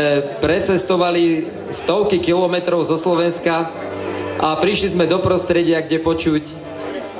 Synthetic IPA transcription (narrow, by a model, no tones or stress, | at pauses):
ɛpɾɛt͡sɛst̪ɔʋali | st̪ɔʊkikilɔmɛt̪ɾɔʊzɔslɔʋɛnska | ʔapɾiʃlizmɛd̪ɔpɾɔst̪ɾɛɟɪaɡɟɛpɔt͡ʃuc